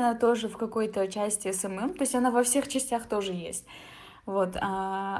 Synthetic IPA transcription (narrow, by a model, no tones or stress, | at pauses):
nat̪o̞ʐɨfkɐko̞jt̪ət͡ɕæsʲtʲɪɛsɛmɛmt̪o̞ɪsʲtʲɐnavɐfsʲe̞xt͡ɕɪsʲtʲaxt̪o̞ʐɨjḛsʲtʲ | vo̞t̪a